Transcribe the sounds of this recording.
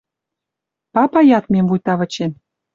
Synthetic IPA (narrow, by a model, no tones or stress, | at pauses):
pɑpɑjɑt̪mʲemvujt̪ɑβə̆t͡ɕe